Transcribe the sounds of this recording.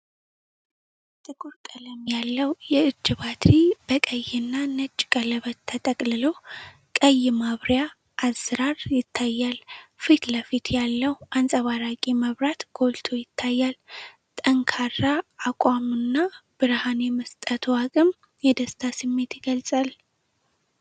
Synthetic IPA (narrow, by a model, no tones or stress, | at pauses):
t̪ʼɨkʼuɾkʼələmjalːəwjɛɨd͡ʒːɨβat̪ʰibəkʼəjːɪnːanət͡ʃʼːkʼələβət̪ʰːət̪ʼəkʼlɨlo | kʼəjːɪmaβɾjaː | zːɨɾaɾjɪt̪ʰːajːalfit̪ləfit̪ʰjalːəwʔansʼəβaɾakʼiməβɾat̪ɡ̥o̞lt̪ʰojɪt̪ʰːajːal | t̪ʼəŋkʰarːaːkʷʼamɨnːab̥ɨɾhanjɛməst̪ʼət̪ʰwakʼɨm | jɛd̪əst̪ʰasɨmːe̞t̪jɪɡəlsʼal